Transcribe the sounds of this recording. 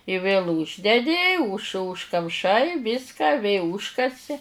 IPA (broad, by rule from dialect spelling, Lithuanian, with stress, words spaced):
ɪ ʋʲeːlˠ ˈuːʒʲdʲɛdʲɪ ʊʃ ʊʃkɐmˈʃɐɪ ˈʋʲiːskɐ ʋʲeː ˈuːʃkɐsʲɪ